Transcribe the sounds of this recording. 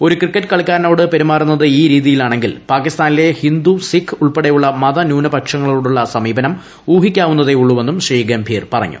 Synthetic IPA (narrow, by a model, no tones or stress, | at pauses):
o̞ɾukrikːɐʈːɨ̥kɐɭikʲːaːɾno̞ːɽɨpe̞ɾimaːrunːɐðɨiːɾiːðijilaːɳe̞ŋɡilpaːkːist̪aːnile̞hind̪usikʰːuɭpeɽejuɭːɐmɐðɐnjuːnɐbɐkʂɐŋːɐɭiloːɽuɭːɐsɐmiːbɐnɐm | uːɦikʲːaːʋunːɐðe̞uɭːuʋe̞nːumɕriːɡɐmbʱiːrpɐrɐ̰ɲːṵ